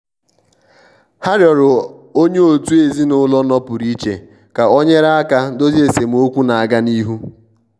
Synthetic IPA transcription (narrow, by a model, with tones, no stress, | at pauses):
ha˦ɾjɔ˨ɾʊ˨o˦ɲe˦o˨tu˦e˨zi˦nʊ˦lɔ˦nɔ˦pʊ˨ɾi˦t͡ʃḛ˨ | ka˨ɔ˦ɲe˦ɾa˦a˦ka˦do˦zi˦e˨se˨m̩˨o˦kʷu˦na˨a˨ɡa˦ni˦ɦu˦